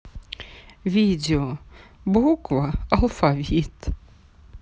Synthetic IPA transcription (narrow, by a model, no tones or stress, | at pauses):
vʲidʲeobukvaɐlˠfavʲit̪